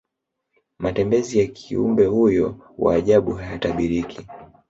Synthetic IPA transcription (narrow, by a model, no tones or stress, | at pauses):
matɛmbɛzijakʰiṵmbɛhujɔwʔa̰ːʄaɓuɦajataɓiɾikʰi